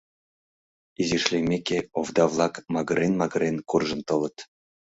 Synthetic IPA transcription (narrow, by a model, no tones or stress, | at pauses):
iziʃlʲemʲekʲeovd̪ɑvlˠɑkmɑɣɤɾenmɑɣɤ̆ɾenkurʒɤ̆nt̪ɤlɤ̆t̪